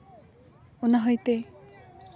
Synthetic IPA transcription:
onaɦɔjt̪e

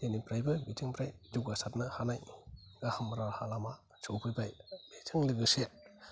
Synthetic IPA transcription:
enipɾajbɯbitʰɯŋpɾajd͡ʒuɡasat̚nɯhanajɡahɯmɾahalama | t͡ʃʰowpʰɯbajbetʰɯŋlɯɡɯse

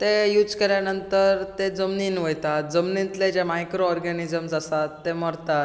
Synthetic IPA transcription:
t̪ejuːd͡zkəɾjanənt̪əɾt̪ed͡zəmninʋəjt̪at̪̚d͡zəmnint̪led͡ʑemajkɾoɔɾɡanid͡zəmsasat̪ːeməɾt̪a

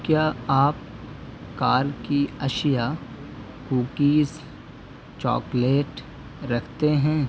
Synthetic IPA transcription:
kjaːaːp̚ | kaːɾkiɐʃja | kuːkiːs | t͡ʃɔ̰ːkleːʈ | ɾɐkʰt̪eɦɛ̃ː

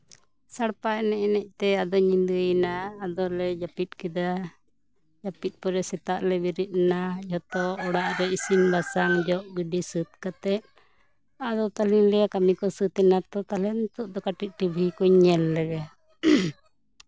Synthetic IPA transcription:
saɽpaɛnɛʔɛnɛc̚t̪ɛad̪ɔɲind̪ujnaːd̪ɔlɛd͡ʒapit̪̚kɛd̪a | d͡ʒapit̪̚ˀpɔɾɛsɛt̪aʔlɛbiɾit̪̚najɔt̪ɔɔɽaʔɾɛisimbasaŋd͡ʒɔʔɡiɖisɨt̪̚kat̪ɛʔ̚ | ad̪ɔt̪aliŋlɛjakamikɔsɨt̪ɛnat̪ɔt̪alɛnt̪uʔd̪ɔkaʈit̪̚ˀʈibʱikɔɲɲɛlːɛɡa

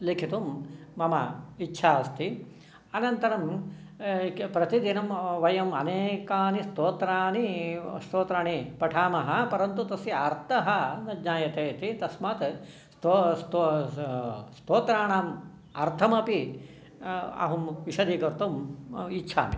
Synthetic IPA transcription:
likʰit̪umːɐmɐitːʃʰaːst̪i | ɐnɐnt̪ɐɾɐm | pɾɐt̪id̪inɐmʋɐjɐmɐneːkaːnist̪oːt̪ɾaːnist̪oːt̪ɾaːɳipɐʈʰaːmɐɦɐpɐɾɐnt̪ut̪ɐsiɐɾt̪ɐɦɐnɐd͡ʒɲaːjɐt̪eːt̪it̪ɐsmaːt̪ | st̪ost̪o | st̪oːt̪ɾaːɳaːm | ɐɾt̪ʰɐmɐpi | ɐ̰ɦumʋiʃɐd̪iːkɐɾt̪umitːʃʰa̰ːmi

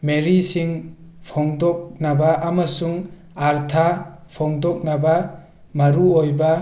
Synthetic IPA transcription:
meɾisiŋpʰɔŋdɔk̚nabaʔamɐsuŋ | aɾt̪ʰapʰɔŋdɔk̚naba | maɾuojba

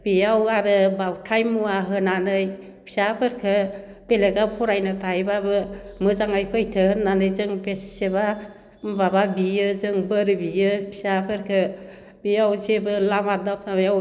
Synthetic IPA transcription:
b̥ijawaɾɯbawtʰajmuwaɦɯnanɯj | pʰisapʰɯɾkʰɯ | b̥eleɡakʰɔɾajnɯtajbabɯmɯzaŋajpʰəjtʰɯhɯnːanɯjzɯŋbesseβa | bababijɯzɯŋbɯɾbijɯpʰi̥sapʰɯɾkʰɯ | bijawzebɯlamadap̚ajaw

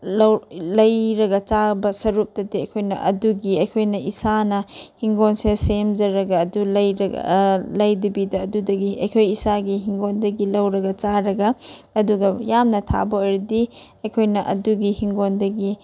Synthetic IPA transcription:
lɐwlɐjɾɐɡɐt͡ʃabɐsɐɾup̚dɐdiɐ̰jkʰojnɐ̰ʔɐ̰duɡiɐjkʰojnɐʔisanɐhiŋɡonsesemd͡ʒɐɾɐɡɐːdulɐjɾɐ̰lɐjdibidɐːdudɐɡiɐ̰jkʰojisaɡiɦiŋɡondɐɡilɐwɾɐɡɐt͡ʃaɾɐɡɐɐduɡɐjamnɐtʰa̰bɐojɾɐdi | ɐjkʰojnɐʔɐ̰duɡihiŋɡondɐɡi

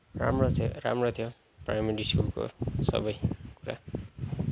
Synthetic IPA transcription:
ra̰mrot̪ʰɾa̰mrot̪ʰjo | prajmeɾiskulko̰sʌ̰bʌjkuɾa̰

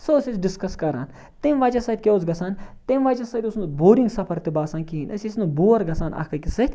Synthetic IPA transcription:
sosit͡ʃɖiskɐskɐɾa̰ːn | t̪eːmʋaːt͡ʃɐsɐt̪̚ʲkʲeoːzɡɐsaːnt̪emʋaːt͡ʃɐsɐt̪ʲusnuboːɾiŋɡsɐpʰɐɾt̪ibaːsaːnkinʔɐsʲisnubuːɐɾɡɐt͡saːnɐ̰kʰkɐkʲisɐt̪ʲ

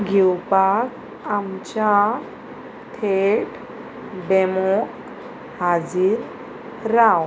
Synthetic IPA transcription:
ɡʱiwpak | amt͡ɕa | t̪ʰeʈ | ɖɛmɔk | had͡ziːɾ | ɾaw

